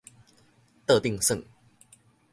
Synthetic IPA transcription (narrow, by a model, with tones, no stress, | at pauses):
t̪ɤ˥˧t̪i˥˨ŋsə˥˨ŋ